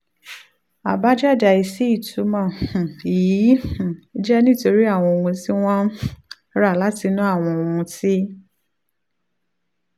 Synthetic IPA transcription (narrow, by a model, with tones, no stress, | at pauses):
a˨ba˦d͡ʒa˦˨d͡ʒa˨i˨si˨˦i˦˨tʰu˨˦mã˦˨i˨ĩ˨˦˨i˦d͡ʒɛ˦nĩ˦˨to˧ɾi˦a˦˨w̃ɔ̃˧o˨wũ˧ti˦w̃ɔ̃˦˨ | ɾa˦˨la˨˦ti˧nũ˦a˦˨w̃ɔ̃˧o˨˧ũ˧ti˦